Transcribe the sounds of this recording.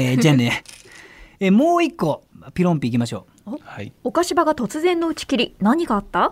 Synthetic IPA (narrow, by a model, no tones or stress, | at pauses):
d͡ʑaːne | emoːikːo̞pʲiɾõ̞mpʲiːk̬ʲimaɕo̞ː | haio̞kaɕibaɡat̪o̞t͡sɨzẽ̞nːo̞ɯ̟t͡ɕi̥kʲiɾʲinaɲ̟iɡaːt̪ːa